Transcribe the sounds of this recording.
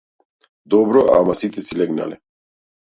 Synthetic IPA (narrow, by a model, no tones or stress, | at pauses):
d̪ɔbɾɔʔa̰masit̪ʼɛsilɛɡna̰lɛ